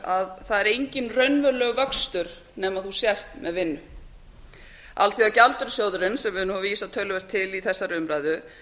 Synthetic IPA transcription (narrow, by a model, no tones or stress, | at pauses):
aðθaðɛɾejɲcɪnrœɥnvœlœɣvœkst̪ʏɾ̥ | nɛːmaðθusjɛr̥t̪mɛðvɪnːʏ | alθiacalt̪ʏɾsjowðɾɪnsɛmvɪnʏhaviːsat̪ʰœɥlʏvɛɾ̥t̪ʰːɪliθɛsːaɾʏmɾaːjðʏ